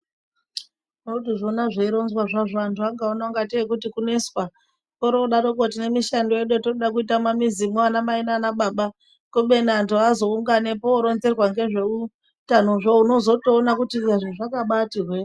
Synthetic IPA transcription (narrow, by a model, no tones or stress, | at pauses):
uotiʐo̞naʐeiɾo̞nzwaʐaʐantʰuaŋɡaonaŋɡateek̬utikune̞swa | koɾoɗaɾokot̬ine̞miʃando̞eɗotouɗak̬uitamamizimoanamaenanaɓaɓa | koɓe̞niantʰuazo̞uŋɡanepoːɾo̞nze̞rwaŋɡe̞ʐe̞u | tano̞ʐouno̞zo̞toːnakutiaʐeʐakaɓatirwe